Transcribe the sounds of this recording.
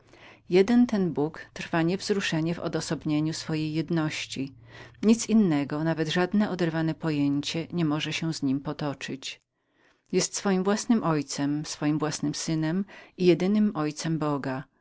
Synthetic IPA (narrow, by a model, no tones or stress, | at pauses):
jɛd̪ɛnt̪ɛnbukt̪ɾfaɲɛvzɾuʂɛɲɛvɔ̰d̪ɔsɔbɲeɲusfɔjejːɛd̪nɔɕt͡ɕi | ɲit̪sinːɛɡɔnavɛd̪ʐad̪nɛʔɔd̪ɛɾvanɛpɔjeɲt͡ɕɛɲɛmɔʐɛɕɛzɲimpɔt̪ɔt͡ʂɘt͡ɕ | jɛst̪sfɔjimvwasnɘmʔɔjt̪sɛmsfɔjimvwasnɘmsɘnɛmijɛd̪ɘnɘmɔjt̪sɛmbɔɡa